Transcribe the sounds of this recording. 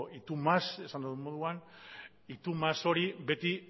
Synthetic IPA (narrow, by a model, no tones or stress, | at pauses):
ʔit̪umase̞sand̪oðumoðuan | it̪umaso̞ɾibe̞t̪i